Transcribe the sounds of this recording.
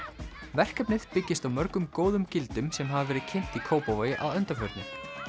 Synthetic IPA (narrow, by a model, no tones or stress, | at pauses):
vɛr̥kɛpnɪðpɪcːɪst̪awmœɾkʏmkoːwðʏmcɪlt̪ʏmsɛmɦavavɛːɾɪðcʰɪn̥t̪ikʰoːwpovajɪʔawœnt̪afœɾt̪nɪ